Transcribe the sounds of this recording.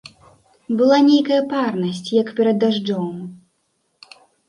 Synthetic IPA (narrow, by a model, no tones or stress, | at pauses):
bɨlˠanʲejkɐjɐparnɐsʲt͡sʲjɐkpʲɛɾɐd̪ːaʐd͡ʐɔm